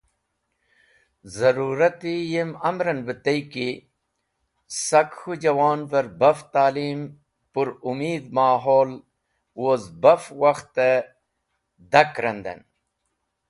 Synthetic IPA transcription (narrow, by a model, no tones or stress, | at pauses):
zɐɾuːɾɐt̪ijemɐmɾɐnbət̪ɐjki | sɐkhud͡ʑɐwaːnvɐɾbɐft̪aːliːm | puɾumiːd̪maːɦoːl | wozbɐfwɐxt̪e | d̪ɐkɾɐnd̪ḛn